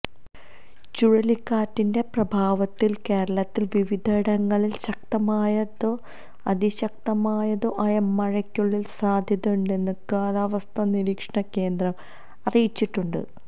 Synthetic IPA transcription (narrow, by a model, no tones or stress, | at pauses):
t͡ɕuɻɐlikːaːtːinde̞prɐbʱaːʋɐt̪ːilke̞ːɾɐɭɐt̪ːilʋiʋid̪ʱɐɽɐŋːɐɭilɕɐk̚t̪ɐmaːjɐðo | ɐd̪iɕɐk̚t̪ɐmaːjɐðoʔɐjɐmɐɻɐkʲːuɭːilsaːd̪ʱjɐðuɳɖe̞nːɨkaːlaːʋɐst̪ʰɐniɾiːkʂɐɳɐkːe̞ːnd̪rɐm | ɐrijit͡ɕːiʈːuɳɖɨ̰